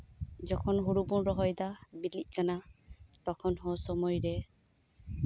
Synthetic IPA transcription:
zɔkʰɔnɦuɹupʊnɹɔɦɔjdabiliʔ̚kanatɔkʰɔnɦɔsɔmɔjɹɛ

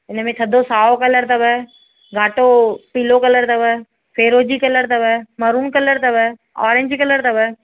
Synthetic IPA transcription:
ɪnəmẽt̪ʰəd̪ʱosaːokələɾt̪ɐbɛː | ɡaːʈopilokələɾt̪ɐbɛ | pʰeːɾoːd͡ʒiːkələɾt̪ɐbɛməɾuːnkələɾt̪ɐbɛ | ɔ̰ːɾɪ̃ɲd͡ʒiːkələɾt̪ɐbɛ

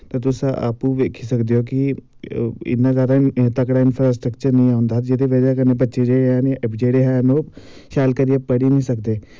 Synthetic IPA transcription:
t̪ɐt̪ʊsaa̰ːpuʋeːkʰisɐkd̪eoki | ɪ̰nazaːɾãt̪ɐkɽaɪnfʰɾaːsʈɾəkt͡ʃəɾnɐɦĩɦɛʊ̃nd̪aːt̪d͡ʒed̪iʋɐd͡ʒaɦɛkɐnẽbɐtːʃed͡ʒeːanɐpd͡ʒeːɽeɦano | ʃaːlkɐɾijapɐɽinɐĩsɐkd̪eː

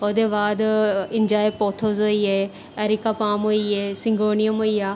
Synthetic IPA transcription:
oːd̪eːbaːd̪ɪɲd͡ʒaːepoːt̪ʰoːzɦoːieː | ɛːɾikaːpaːmɦoːieːsɪ̃ŋɡoːnɪjəmɦoːiaː

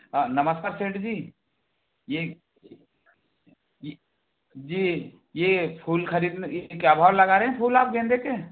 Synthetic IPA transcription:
nəməskaːɾseːʈd͡ʒiː | je | j | d͡ʒiː | jepʰuːlkʰəɾiːd̪njekeaːbʱaːwlɐɡaːɾeɦɛ̃pʰuːlaːp̚ɡẽːnd̪eke

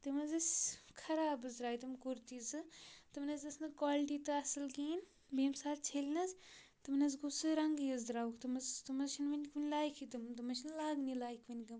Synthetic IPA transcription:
t̪ɨmɐzɐsʲkʰɐɾaːbɨzɾaːjit̪ɨmkuɾt̪izɨt̪ɨmnɐzɐsnɨkwaːlʈit̪ɨɐsɨlɡiːn | beːmsaːlt͡ʃʰelʲnɐz | t̪ɨmnɐz̬ɡusɨɾɐŋɡjɐzd̪ɾaːukʰt̪ɨmɐzt̪ɨmɐzʃʰinʋɐnʲkʋɐnʲlaːjkʰit̪ɨmt̪ɨmɐʃʰinlaːɡnilaːjkʰʋɐnʲɡɐm

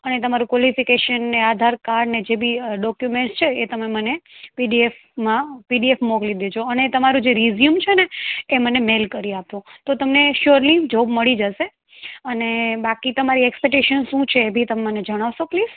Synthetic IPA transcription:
ənet̪əmaɾũkʋɔlifikeʃənːead̪ʱaɾkaɾɖned͡ʒebʱiɖɔkjumẽɳʈst͡ʃʰeːt̪əmemənepiɖief | mãpiɖiefmɔɡlid̪ed͡ʒoənet̪əmaɾũd͡ʒeɾizjumt͡ʃʰeneːmənemelkəɾiapũt̪ot̪əmneʃuɾlid͡ʒobməɭid͡ʒəʃe | ənebakit̪əmaɾiɛkspɛk̚ʈeʃənʃũt͡ʃʰeːbʱit̪əmeməned͡ʒəɽ̃aʋʃopliːz

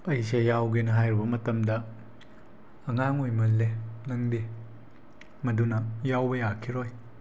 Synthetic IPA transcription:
ɐjsejawɡenɐɦajɾibɐmɐtɐmdɐ | ɐŋaŋojmɐlːenɐŋde | mɐdunɐjawbɐjakʰiɾoj

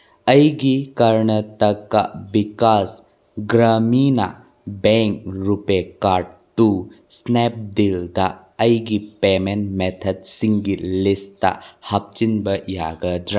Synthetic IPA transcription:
əjɡikɐɾnətɐkːabikas | ɡɾamina̰ | beŋkɾupekaɾɖtu | snep̚dild̪aː | jɡipemenmet̪ʰɐdsiŋɡilista̰hɐp̚t͡ʃinbɐja̰ɡɐdɾa

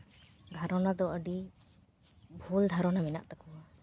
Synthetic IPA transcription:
d̪ʱaɾɔnad̪ɔʔəɖi | bʱuld̪ʱaɾɔnamina̰ʔt̪akuwa

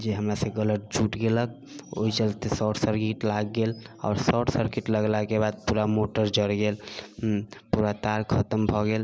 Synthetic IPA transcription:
d͡ʒeɦəmɾaseɡələʈ̚d͡ʒuʈɡelək̚ | o̰it͡ʃəlt̪esɔʈsəɾkiʈlaɡːela̰ʊɾsɔʈsəɾkiʈləɡlakebad̪̚puɾamoʈəɾd͡ʒəɽɡel | puɾat̪aɾkʰət̪əmbʱɔɡel

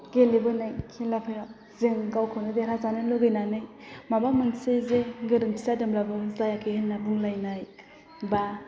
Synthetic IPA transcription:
ɡelebɯnajkʰilapʰaja | zɯŋɡawkʰɯwnɯdeɾazanɯloɡɯjnanɯj | mabamɯŋsezeɡɯɾɯŋpʰizadɯmlabɯzajakʰehɯlnabuŋlajnaj | ba

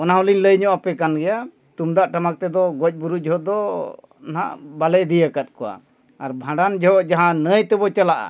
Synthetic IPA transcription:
ɔnaɦuliɲləjɲɔʔapɛkanɡɛja | t̪umd̪aʔʈamak̚t̪ɛd̪ɔɡɔc̚ˀbuɾud͡ʒʱɔɦɔd̪ɔ | na̰ʔbalɛʔd̪ijəkat̪̚kɔwa̰ | aɾbʱãɖand͡ʒɔɦɔʔd͡ʒaɦãnəjt̪ɛbɔt͡ʃalaʔa̰

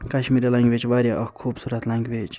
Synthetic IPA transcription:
kɐʃmiɾilɐŋɡʲʋet͡ʃʋaɾʲjaʔɐkʰuːbsuɾɐt̪lɐŋɡʲbet͡ʃ

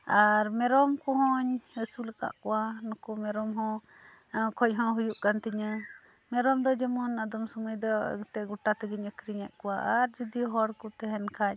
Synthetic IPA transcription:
aɾmɛɾɔmkɔɦɔ̃ɲəsulɛka̰ʔkɔwanɔkɔmɛɾɔmɦɔ̃ | kʰɔɲɦɔ̃ɦujuʔkant̪iɲə | mɛɾɔmd̪ɔd͡ʒɛmɔnad̪ɔmsuməjd̪ɔt̪ɛɡuʈat̪ɛɡiɲəkɾiɲɛʔkɔwaaɾd͡ʒid̪iɦɔɽkɔt̪ɛɦɛnkʰac̚

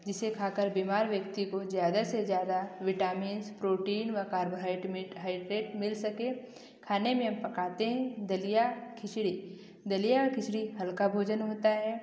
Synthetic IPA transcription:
d͡ʒɪsekʰaːkəɾbiːmaːɾʋjəkt̪ikozjaːd̪asezjaːd̪aʋɪʈaːmiːnspɾoːʈiːnʋɐkaːɾboɦaːɪʈmɪɦaːɪɖɾeːʈmɪlsɐkẽ | kʰaːnemẽɦɐmpɐkaːt̪eɦɛ̃d̪ɐlijakʰɪʃɽi | d̪ɐlijaɔɾkɪsɽiɦɐlkabʱoːd͡ʒənɦoːt̪aɦɛː

